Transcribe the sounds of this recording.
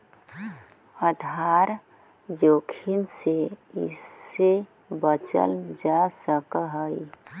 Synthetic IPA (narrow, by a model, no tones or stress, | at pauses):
əd̪ʱaɾ | joːkʰinseɪ̰se | bət͡ʃə̰ld͡ʒasəkəɦəi